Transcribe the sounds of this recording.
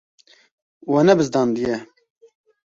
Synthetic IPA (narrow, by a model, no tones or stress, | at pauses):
wanɛbɨzd̪ɑːnd̪ɨjɛ